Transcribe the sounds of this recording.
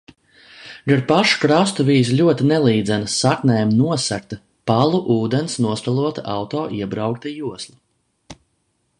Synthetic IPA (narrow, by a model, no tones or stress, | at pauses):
ɡaɾpaʃu̥kɾast̪uviːzlʲuɔt̪inɛlˠiːd̪zɛnasaknɛːjmnuɔsak̚t̪a | palˠuʔuːd̪ensnuɔst̪alˠuɔt̪aawt̪ɔːʔiɛbɾawk̚t̪ajuɔslˠa